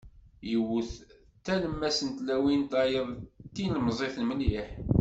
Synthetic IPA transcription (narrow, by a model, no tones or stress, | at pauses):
jəwːəθ | t̪ːæləmːæsənt̪læwint̪ɑjəðˤt̪ːinlmzˤeθlməliħ